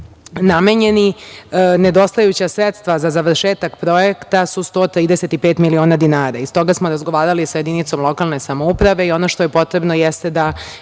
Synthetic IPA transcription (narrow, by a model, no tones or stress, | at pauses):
name̞ɲe̞ni | ne̞d̪o̞st̪ajut͡ɕasɾet̪st̪ʋazazaʋr̩ʃeːt̪akpɾo̞ekt̪asust̪o̞ːt̪ɾiːd̪ese̞t̪ipeːt̪milio̞ːnad̪inaːɾaist̪o̞ɡasmo̞ɾazɡoʋaːɾalisajed̪init̪so̞mlˠo̞kalˠne̞samoupɾaʋe̞io̞no̞ʃt̪ojepo̞t̪ɾe̞bno̞jɛst̪e̞d̪a